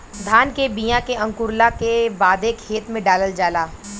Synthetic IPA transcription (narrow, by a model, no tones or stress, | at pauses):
d̪ʱaːnkebijãkeɐ̃ŋkʊɾlakebaːd̪eːkheːt̪mẽɖaːləld͡ʒaːlaː